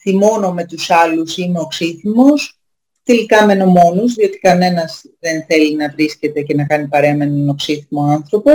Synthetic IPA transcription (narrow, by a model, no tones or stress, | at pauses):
θimo̞no̞me̞t̪usɐlusine̞o̞ksiθimos | t̪e̞likɐmeno̞mo̞nuzðio̞t̪i̥kɐne̞nɐz | ðe̞nθe̞linɐvɾisce̞t̪e̞ce̞nɐkɐnipɐɾeɐmenono̞ksiθimo̞ɐnθɾo̞po